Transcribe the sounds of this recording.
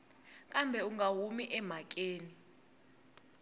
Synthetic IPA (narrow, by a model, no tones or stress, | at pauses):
k̬ʼambʱɛuŋaɦumiʔɛmak̬ʼeːni